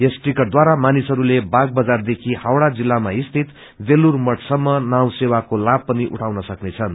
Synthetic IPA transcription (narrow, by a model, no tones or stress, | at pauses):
esʈrikʌd̪waɾamanisʌɾulebaɡ̚bʌd͡zard̪ekʰihawɽad͡zilːamaist̪ʰit̪ | belurmʌʈsʌmːʌnaw̃sewakolab̚pʌniʔṵʈʰawnʌsʌknet͡sʰʌn